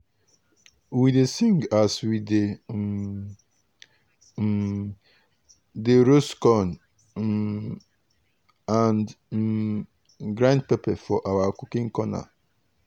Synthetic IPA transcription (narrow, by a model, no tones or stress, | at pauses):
widesĩŋɡaswide | deɾoskɔ̃n | ãnd | ɡɾãnd̚pepɛfɔʔawakukĩŋkɔna̰